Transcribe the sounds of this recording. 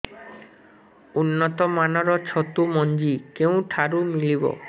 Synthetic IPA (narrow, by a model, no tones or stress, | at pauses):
unːɔt̪ɔmanɔɾɔt͡ʃʰɔt̪umɔnd͡ʒikeũʈʰaɾumilibɔ̰